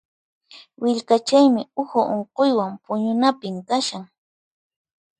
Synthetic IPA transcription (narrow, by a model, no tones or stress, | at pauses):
wɪʎkat͡ʃajmɪʊhʊʔoɴqojwampʊɲʊnapɪmkaʃaŋ